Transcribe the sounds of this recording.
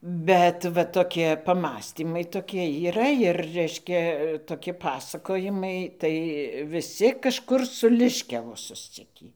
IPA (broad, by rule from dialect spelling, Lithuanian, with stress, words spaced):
ˈbʲɛt ʋɐ toːˈkʲiɛ pɐˈmɑːsʲtʲiːmɐɪ ˈtoːkʲiɛ iːˈrɐ ɪr ˈrʲɛɪʃʲkʲɛ ɪr toːˈkʲɪ ˈpɑːsɐkoːjɪmɐɪ ˈtɐɪ ʋʲɪˈsʲɪ kɐʃˈkʊr sʊ lʲɪʃʲkʲɛʋʊ sʊsʲˈt͡sʲɪkʲiː